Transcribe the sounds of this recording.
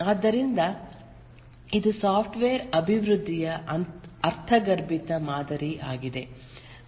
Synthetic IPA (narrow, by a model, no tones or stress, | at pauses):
aːd̪ːɐɾind̪ɐ | id̪usaːpʰʈʋeːɾɐbʱiʋɾud̪ʱːijɐ | ɐɾt̪ʰɐɡɐɾbit̪ɐmaːd̪ɐɾiʔaːɡid̪e̞